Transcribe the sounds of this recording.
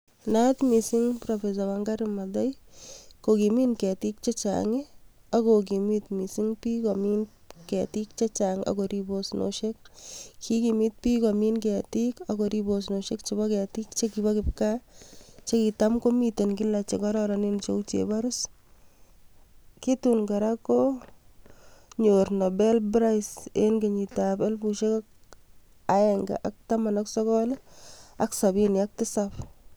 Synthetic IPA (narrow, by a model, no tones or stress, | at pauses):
nat̪misiŋpɾɔfes̬awaŋɡaɾɪmadajkokiminkɛtik̚t͡ʃet͡ʃa̰ːŋe | akok̬imit̪misiŋpiːkɔmin | kɛtik̚t͡ʃet͡ʃaŋa̰koɾibosnʔo̰ʃek̚kʰikimit̪̚piːkɔminkɛːtikakɔɾibos̬noʃekt͡ʃibakɛːtikt͡ʃekibakɪpka | t͡ʃekitamkomitenkilat͡ʃekɔɾɔɾanint͡ʃout͡ʃḛbaɾʊs | kitunɡaɾako | ɲornobɛlbɾajsenɡeɲitapelpuʃekak̚ | aɛŋɡa̰ʔak̚tamanaksɔkɔlaksabiniak̚tɪsap